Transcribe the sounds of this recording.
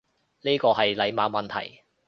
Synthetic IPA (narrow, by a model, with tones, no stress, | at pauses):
ni˥kɔː˧ɦɐ˨jlɐ˨˧˥jmaː˨˧mɐ˨nt̪ʰɐ̰˨˩j